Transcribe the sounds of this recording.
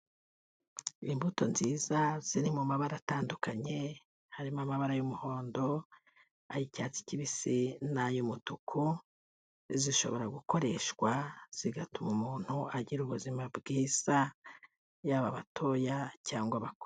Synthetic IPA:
imbuto̞̰nziːzaz̥inimumaβaɾataːndukaɲe̞ | haɾimamaβaɾajumuho̞ːndo̞ | ajicaːt͡si̥ciβisinajumutukʰu | ziʃo̞̰βo̞ɾaɡuko̞ɾe̞ʃɡwaz̥iɡatumumuːn̥huaɟiɾuβuzimabɡiːz̥a | jaβaβatʰo̞jacaːŋɡwaβako

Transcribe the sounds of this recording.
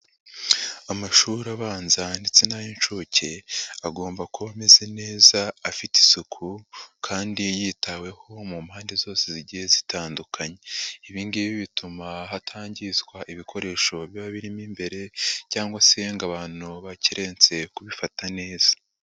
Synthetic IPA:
amaʃuɾaβaːnzandet͡senajint͡ʃucʰeaɡo̞ːmbakuβame̞ze̞ne̞ːzaːfiti̥sukʰukʰaːndijiːtʰawe̞ho̞mumhaːnde̞zo̞ːseziɟihe̞zitʰaːndukʰaɲeiβiːŋɡiβiβitumaɦatʰaːɲɟizɡwaʔiβikʰo̞ɾe̞ʃo̞βjaβaβiɾimimbe̞ɾe̞caːŋɡwaseŋɡaβaːn̥uβaciɾʔe̞ːnt͡se̞kuβifatane̞ːz̥ḁ

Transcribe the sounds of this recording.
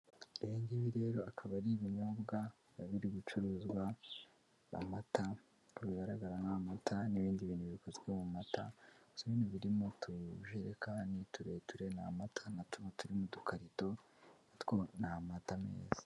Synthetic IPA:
iiːndiβiɾe̞ːɾo̞akʰaβaɾiβiɲobɡa | βiɾiɡut͡ʃuɾuːzɡwa̰ː | mata | βiɡaɾaɡaɾanamatʰaniβiːndiβiːnhuβikozɡemumatʰasoβiːnuβiɾimotʰuʒiɾekaːndituɾe̞tuɾe̞na̰matʰanatumotuɾimudukʰaɾito̞ | natkonamatame̞̰ːz̥e̥

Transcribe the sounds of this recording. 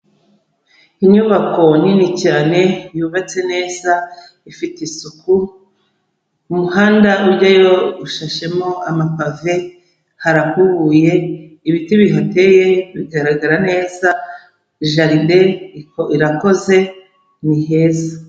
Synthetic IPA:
iɲuβako̞ninicaːne̞juβat͡se̞ne̞ːza | ifitisuku | umuhaːndauɾɟajo̞uʃaʃemo̞amapave | haɾahuβuje̞iβitiβiɦonte̞je̞βiɡaɾaɡaɾane̞ːza | ʒaɾideikoiɾako̞ze̞ | nihe̞ːza

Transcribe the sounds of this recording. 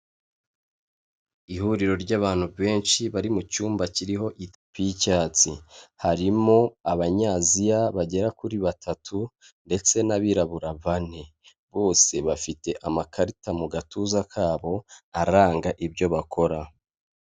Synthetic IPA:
ihuɾiɾo̞ɾɟaːβaːn̥huββe̞ːnʃiβaɾimucuːmbaciɾiɦo̞ʔi | picaːt͡sihaɾimo̞aβaɲaːzijaβaɟe̞ɾakuɾiβatʰatʰu | nde̞t͡se̞naβiɾaβuɾaβane̞ | βo̞ːse̞βafite̞ʔamakʰaɾitamuɡatuːzakʰaːβo̞aɾaːŋɡaʔibɟo̞βakʰo̞ɾa

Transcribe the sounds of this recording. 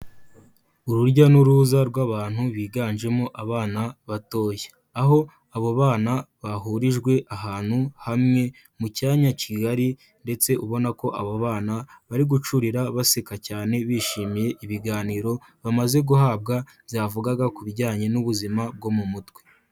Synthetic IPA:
uɾuɾɟanuɾuːzaɾɡwaβaːn̥huβiːɡaːnʒe̞mo̞ʔaβaːnaβato̞ːje | aɦo̞ | aβoβaːnaβaɦuɾiʒɡwe̞ʔaɦaːn̥huhamŋe̞ | mucaːɲaciɡaɾi | nde̞t͡se̞ʔuβo̞nako̞ʔaβoβaːnaβaɾiɡut͡ʃuɾiɾaβasekacaːne̞βiːʃiːmije̞ʔiβiɡaːniːɾo̞βamaze̞ɡuhaːbɡa | zaːvuɡaɡakuβiɟaːɲe̞nuβuzimab̚ɡo̞mumutwe̥

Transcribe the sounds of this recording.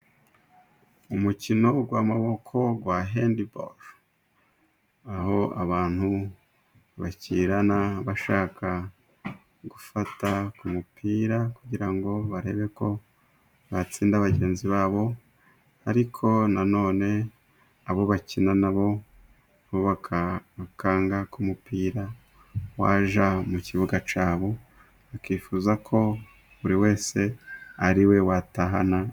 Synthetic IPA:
umucino̞ɡwamaβo̞kʰo̞ɡwaɦendibo̰ɾ | aho̞a̰βaːn̥hu | βaciɾanaβaʃaːkʰa | ɡufatakumupʰiːɾakuɟiɾaŋɡo̞βaɾe̞βe̞ko̞ | βat͡siːndaβaɟe̞ːnziβaːβo̞ | haɾikʰo̞nano̞ːne̞ | aβo̞βacinanaβo̞ | βoβaakʰaːŋɡakumupiːɾa | waːʒamuciβuɡat͡ʃaːβo̞ | βakiːfuːzakʰo̞ | βuɾiwe̞ːse̞aɾiwe̞wataɦa̰na

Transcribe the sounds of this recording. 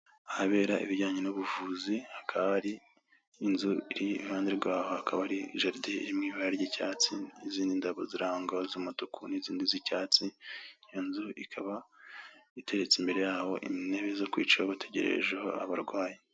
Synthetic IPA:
ahaβe̞ːɾaḭβiɾɟaːɲenuβuvuːzihakʰaββaaɾiː | nzuiɾihaːndeɾɡwaːho̞hakʰaβahaɾiʒaɾdeḭɾimŋiːβajaɾɟicaːt͡siiziːndindaβo̞ziɾaŋɡaozumutukʰuniziːndizicaːt͡sinijonzuʔikʰaβa | itʰe̞ɾet͡simbe̞ɾe̞jaːho̞̰ʔḭnne̞βezo̞kwiːt͡ʃaoβatʰe̞ɟe̞ɾḛʒeho̰a̰βaɾɡwaːje

